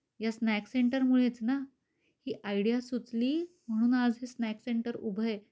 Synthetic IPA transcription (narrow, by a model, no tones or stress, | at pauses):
jasnækseɳʈəɾmuɭet͡sna | hiːʔajɽijasut͡sliː | m̤əɽ̃uːnad͡zɦesnækseɳʈəɾubʱəe